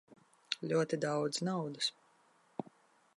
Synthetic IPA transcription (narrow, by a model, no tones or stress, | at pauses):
lʲuɔt̪id̪awd̪znawd̪ɨs